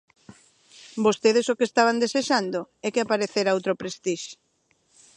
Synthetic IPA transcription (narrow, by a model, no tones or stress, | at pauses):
bost̪eðesokest̪aβ̞and̪eseʃand̪oɛkeapaɾeθeɾaowt̪ɾopɾest̪iʃ